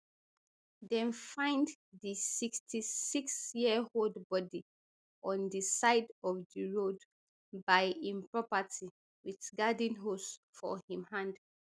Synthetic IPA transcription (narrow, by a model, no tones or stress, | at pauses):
dɛ̃nfãɪ̃nd | ðisikstʰisiksjiəholdbɔdi | ʔɔ̃ndisaɪdɔfdiɹod | bajĩmpɹɔpəti | witɡadĩnɦos | fɔ̰hĩmhãnd